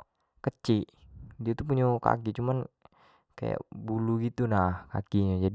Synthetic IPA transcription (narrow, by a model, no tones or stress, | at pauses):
kət͡ʃidiat̪up̬uɲaka̰kit͡ʃuman | ka̰ja̰buluɡit̪unahka̰kiɲad͡ʒad